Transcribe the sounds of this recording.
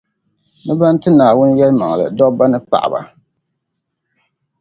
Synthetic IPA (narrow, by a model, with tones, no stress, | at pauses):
nɨ˦ba˦n˦tɨ˦naː˨wʊ˦n˦jɛ˦lma˨ŋ˨lɨ̰˨dɔ˦ba˦nɨ˦pa̰˨ʔba̰˨